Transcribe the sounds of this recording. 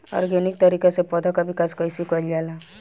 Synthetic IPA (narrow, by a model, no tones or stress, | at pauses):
ɔ̰ɾɡenik̚t̪əɾiːkesepɔd̪ʱɔkabɪkaːskəjsikɔld͡ʒaːla